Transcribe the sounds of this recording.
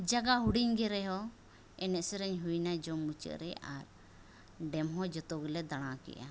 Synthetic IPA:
d͡ʒaɡaɦuɽiɲɡɛɾɛɦɔ | ɛnɛt̪sɛɾɛɲɦujnad͡ʒɔmut͡ʃə̰ʔɾɛaɾ | ɖɛmɦɔd͡ʒɔt̪ɔɡlɛd̪aɽ̃ãkɛ̰ʔa̰

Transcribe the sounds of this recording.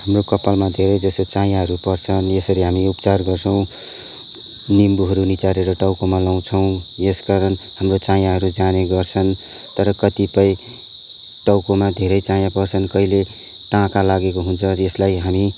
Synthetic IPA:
hamrokʌpalmad̪ʱeɾʌjd͡zʌsot͡sãjãɦʌɾupʌrt͡sʰʌnjesʌɾiɦamiupt͡sarɡʌrt͡sʰʌw̃ | nimbuɦʌɾunit͡saɾeɾʌʈawkomalaw̃t͡sʰʌw̃ | eskaɾʌn | hamrot͡sãjãɦʌɾud͡zaneɡʌrt͡sʰʌn | t̪ʌɾʌkʌt̪ipʌj | ʈʌwkomad̪ʱeɾʌjt͡sãjãpʌrt͡sʰʌnkʌile | ʈãkalaɡekoɦunt͡sʰʌeslajɦami

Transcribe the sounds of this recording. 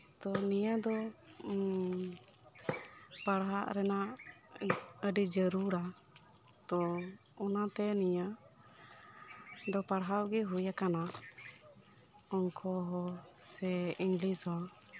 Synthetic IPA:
t̪ɔnijad̪ɔ | paɽɦaʔɾɛnaʔ | əɖid͡ʒəɾuɾa | t̪ɔ | ɔnat̪ɛnija | d̪ɔpaɽɦaʔɡɛɦujakana | ɔŋkʰɔɦɔsɛiŋɡlisɔ

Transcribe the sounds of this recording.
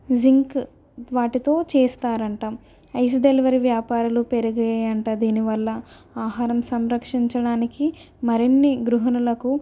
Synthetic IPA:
ziŋk | ʋaːʈit̪o̞ːt͡ʃeːst̪aːɾɐɳʈa | ɐjs̬d̪elʋɐɾiʋjaːpaːɾulupeɾuɡɐjɐɳʈaːd̪iːniʋɐlːɐ | aːɦaːɾɐmsɐmɾɐkʂiɲt͡ʃɐɽaːniki | mɐɾinːiɡɾuɦɐnɐlɐku

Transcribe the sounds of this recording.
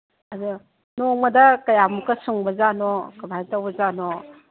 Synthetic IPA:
ɐdu | nɔŋmɐdɐkɐjamukɐsuŋbɐzanɔkɐbajtawbɐzanɔ

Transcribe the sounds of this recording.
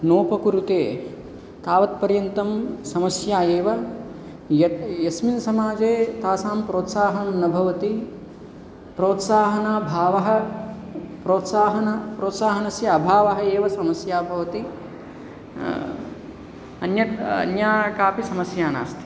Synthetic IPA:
noːpɐkuɾut̪eː | k̪aːʋɐt̪̚pɐɾjɐnt̪ɐmsɐmɐsjaːeːʋɐ | jɐjɐsminsɐmaːd͡ʒeːt̪aːsaːmpɾoːt̪saːɦɐnnɐnɐbʱɐʋɐt̪i | pɾoːt̪saːɦɐnaːbʱaːʋɐɦɐ | pɾoːt̪saːɦɐnɐpɾoːt̪saːɦɐnɐsjɐɐbʱaːʋɐɦɐeːʋɐsɐmɐsjaːbʱɐʋɐt̪i | ɐnjɐɐ̰njaːkaːpisɐmɐsjaːna̰ːst̪ʰi̥

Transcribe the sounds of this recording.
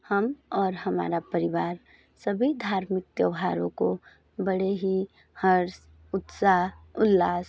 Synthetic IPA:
hɐmɔːɾɦɐma̰ːɾapəɾɪʋaːɾ | səbʱid̪ʱaːɾmɪk̚t̪jəʋɦaːɾõ̰ko | bəɽeɦi | həɾs | ʊt̪saːɦʊlːaːs

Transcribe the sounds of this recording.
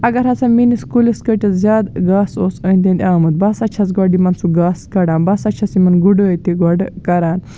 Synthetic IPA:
ɐɡɐɾɦɐt͡saminiskuliskəʈɐzʲaːd̪ɡaːsoːsəinʲt̪ʲẽnd̪ʲaːmɨt̪̚bɐsɐt͡ʃʰɐsɡɔɖimɐnsuɡaːskɐɽaːnbɐsɐt͡ʃʰɐsimɐnɡuɖot̪iɡɔɖkɐɾaːn

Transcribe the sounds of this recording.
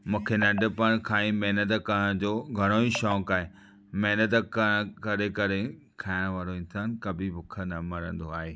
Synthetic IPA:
mũːkʰenɐɖʱɪ̆pɐɽ̃kʰaːĩmeɦnət̪̬kɐɽə̃d͡ʑoːɡʱɐɽ̃oːĩʃɔːkaːɦe | meɦnət̪̬kɐkɐɾekɐɾe | kʰaːɪɽ̃ʋaːɾoĩnt̪ʰaːnkɐbʱɪbʊkʰənɐmɐɾə̃nd̪oaːɦeː

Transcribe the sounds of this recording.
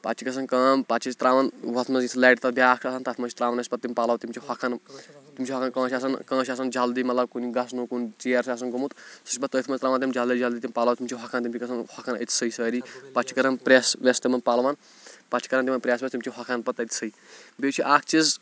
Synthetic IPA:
pa̰t͡ʃʰikɐs̬ɐnkɐːmpat̪t͡ʃʰist̪ɾaːʋɐnwɐt̪ʰmɐzĩt̪ʰlaːʈt̪ɐbʲaːkʰʃaːsɐnt̪at̪ʰmɐt͡ʃʰi̥t̪ɾaːʋɐnɐsʲpɐt̪ːimʲpaːlawt̪imʲt͡ʃʰihɐkʰɐnt̪imt͡ʃʰiɦɐkʰankɐ̃ːʃaːs̬ɐnkə̃ːʃ̬aːs̬ɐnd͡ʒald̪imɐlɐbkuniɡɐsnukunt͡ʃiɐɾsaːsɐnɡɐmut̪sɐsʲpɐt̪ːət̪ʰmɐst̪ɾaːʋant̪imd͡ʒald̪id͡ʒald̪it̪imʲpaːlawt̪imʲt͡ʃʰiɦɐkʰant̪imt͡ʃʰikɐsɐnhɐkʰanə̰t̪ʰsəjsəːɾipat͡ʃʰi̥kɐɾɐnpɾʲjaːsʋʲɐst̪imɐnpalʋan | pat͡ʃʰi̥kɐɾɐnt̪imɐnpɾjaːsʋest̪imt͡ʃʰiɦɐkʰanpɐt̪ɐt̪ʰʲi̥səi | bʲet͡ʃʰiʔaːk̚ʰt͡ʃiz

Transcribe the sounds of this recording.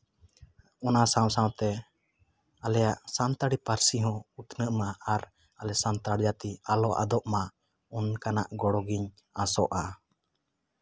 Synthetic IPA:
ɔnasãw̃sãwt̪ɛ | alɛjaʔsant̪aɽipaɾsiɦɔ̃ut̪nəʔmaaɾ | alɛsant̪aɽd͡ʒat̪ialɔʔa̰d̪ɔʔma | unkana̰ʔɡɔɽɔɡiɲ | asɔʔa

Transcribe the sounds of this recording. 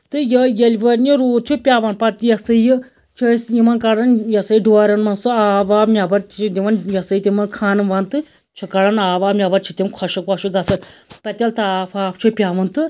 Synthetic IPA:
t̪ɨjɐjɐlʲbɐɾniɾoːd̪̚t͡ʃʰupʲaːʋɐnpɐɾt̪ijɐsɐjɨ | t͡ʃʰɐsjimɐnkɐɽɐnjɐsɐiɖoɾɐnmɐnsɨaːʋaːmʲabɐɾt͡ʃʰid̪iʋɐnjɐsɐjt̪imɐnkʰaːnɨmʋɐnt̪ɨ | t͡ʃʰukɐɽɐnaːʋaːmʲabɐɾt͡ʃʰit̪imkʰɔʃɐkʋɐʃuɡɐsɐnpɐt̪ʲɐlt̪aːpʰaːpʰt͡ʃʰupʲaːʋɐnt̪ɨ

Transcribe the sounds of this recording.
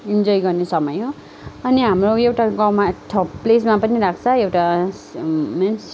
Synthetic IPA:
ind͡zʌjɡʌrnesʌmʌjɦo | ʌniɦamroewʈaɡʌmaʈʰʌples̬mapʌniɾak̚ʰt͡sʰʌewʈa | mens

